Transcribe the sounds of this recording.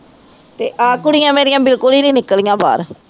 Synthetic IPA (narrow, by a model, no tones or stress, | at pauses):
t̪eːʔaːkʊɽɪjãːmeːɽɪjãːbɪlkʊliːnĩːnɪkəlijãːba̰ːɾ